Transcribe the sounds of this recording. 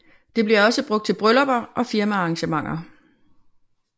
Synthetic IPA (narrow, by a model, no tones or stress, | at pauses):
d̥e̝b̥liɐɒ̽səb̥ʁɔ̽ɡ̥̚d̥̚t͡sʰe̝lb̥ʁœlɒb̥ɐʔɒ̽fiɐmæɑ̈ŋɕəmɑ̈ŋ̰ɐ